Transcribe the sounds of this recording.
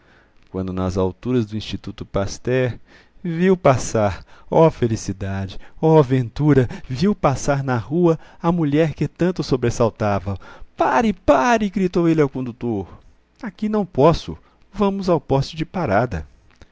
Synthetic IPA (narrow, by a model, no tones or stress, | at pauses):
kwɐ̃nd̪ʊnɐ̰zawt̪uɾɐzd̪ʊĩst͡ʃit̪ut̪ʊpast̪ɛɾ | viwpasaɾɔfelisid̪ad͡ʒɪɔvẽnt̪uɾɐviwpasaɾnɐhuɐɐmuʎɛɾkɪt̪ɐ̃nt̪ʊsobɾesawt̪avɐpaɾɪpaɾɪɡɾit̪owelɛwkõnd̪ut̪oɾ | akinɐ̃w̃pɔsʊ̰ | vɐ̃mʊzawpɔst͡ʃʊd͡ʒɪpaɾad̪ɐ̰